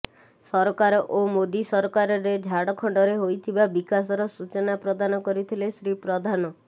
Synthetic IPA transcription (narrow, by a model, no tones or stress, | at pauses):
sɔɾɔkaɾɔʔomod̪isɔɾɔkaɾɔɾed͡ʒʱaɽɔkʰɔɳɖɔɾeɦojt̪ʰibabikas̬ɔɾɔsut͡ʃɔnapɾɔd̪anɔkɔɾit̪ʰilesɾipɾɔd̪ʱanɔ